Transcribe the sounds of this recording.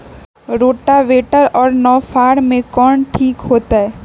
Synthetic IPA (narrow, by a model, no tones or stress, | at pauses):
ɾoːʈaʋeːʈəɾɔːɾnɔːfʰaːɽmẽkɔːɳʈʰiːkɦoːt̪aɦɛː